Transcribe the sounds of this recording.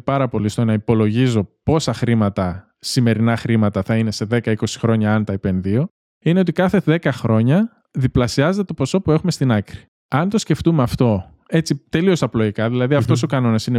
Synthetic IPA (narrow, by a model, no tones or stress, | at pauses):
pɐɾɐpo̞list̪onɐipo̞lo̞ʝizo̞po̞sɐxɾimɐt̪ɐ | sime̞ɾinɐxɾimɐt̪ɐθɐine̞se̞ðe̞kɐiko̞si̥xɾo̞ɲɐɐnt̪ɐipenðio̞ | ine̞o̞t̪ikɐθe̞ðe̞kɐxɾo̞ɲɐ | ðiplɐsiɐzet̪et̪oposo̞pue̞xumest̪inɐkɾi | ɐnt̪o̞sce̞ft̪umeɐft̪o̞ | e̞t͡sit̪e̞lio̞sɐplo̞ʝikɐðilɐðiɐft̪o̞s̬o̞kɐno̞nɐsine